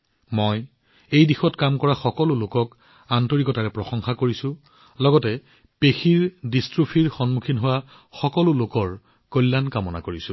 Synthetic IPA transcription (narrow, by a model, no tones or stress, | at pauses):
mɔj | ejdixɔtkamkɔɹaxɔkɔlʊlokɔk | antoɹikɔtaɹɛpɹɔxɔŋxakoɹisʊ̃ | lɔɡɔtɛ | pexiɹdistɹupʰiɹxɔnmukʰinɦowa | xɔkɔlʊlokɔɹ | kɔlːankamɔna̰koɹisʊ̃